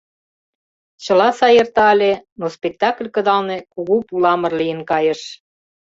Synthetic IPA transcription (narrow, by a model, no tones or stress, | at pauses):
t͡ɕə̆lɑsɑjərt̪ɑlʲenospek̚t̪ɑklʲkə̆d̪ɑlnekuɣupulɑmə̆rlijənkɑjəʃ